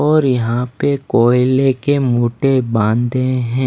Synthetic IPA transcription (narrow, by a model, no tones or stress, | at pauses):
ɔːɾjɐɦãpekoːɪlekemoːʈebãːnd̪ẽɦɛ̃ː